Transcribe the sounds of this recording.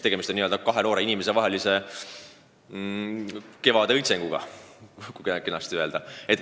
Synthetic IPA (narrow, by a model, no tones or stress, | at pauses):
t̪e̞ɡe̞mist̪onːiøːld̪ɑkɑɦenoːɾeinimese̞vɑɦe̞lise̞ | ke̞vɑd̪eɤjt̪se̞ŋɡ̥uɡ̥ɑ̰kukenɑst̪ye̞ld̪̥ɑet̪ːˑ